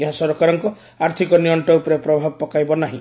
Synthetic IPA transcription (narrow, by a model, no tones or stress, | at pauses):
eɦasɔɾɔkaɾɔŋkɔ | aɾt̪ʰikɔniɔɳʈɔupɔɾepɾɔbʱabɔpɔkajbɔnaɦḭ̃